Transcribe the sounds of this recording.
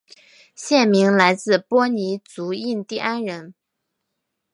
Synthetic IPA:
ɕjɛ˥˩nmi˧˥ŋla˧˥ɪt͡sɹ̩˥˩pwɔ˥ni˧˥t͡su˧˥i˥˧nt̪i˥˩ʔa˥nɻə˧˥n

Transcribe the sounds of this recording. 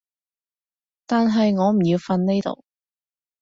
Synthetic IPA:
t̪aː˨nɦɐ˨jŋɔː˨˧m̩˨˩jiː˧wfɐ˧nne˥jt̪o̰˨˧w

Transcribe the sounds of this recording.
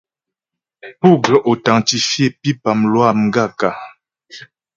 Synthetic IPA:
pu˦˨ɡə˨ʔo˨ta˨ŋti˨fje˦˨pi˦pa˨mlwa˦˨mŋ˦ɡa˦˨ka˨

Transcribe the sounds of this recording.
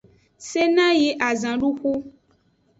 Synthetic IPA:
se˦nã˦je˨ʔa˨zã˨lu˦xu˦

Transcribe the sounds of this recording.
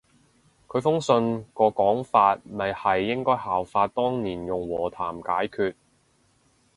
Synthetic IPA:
kʰɵ˨˧ɥfʊ˥ŋsɵ˧nkɔː˧kɔː˨˥ŋfaː˧t̚mɐ˨jhɐ˨jːɪ˥ŋkɔː˥jhaː˨˩wfaː˧t̚t̪ɔː˥ŋniː˨˩njʊ˨˩ŋwɔː˨˩t̪ʰaː˨˩mkaː˨˥jkʰyː˧t̚

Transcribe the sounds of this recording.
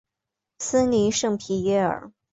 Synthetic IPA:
s̩˥li˧˥ʂɤ˥˩ŋpʰi˧˥ɥɛ˥ə̰˞˨˩˦

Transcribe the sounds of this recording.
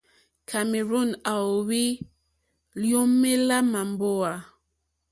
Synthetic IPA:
kʰa˨me˨ɾo˦˨na˨o˨wi˦ | ljo˦mːe˦la˦ma˨mbo˦a˨

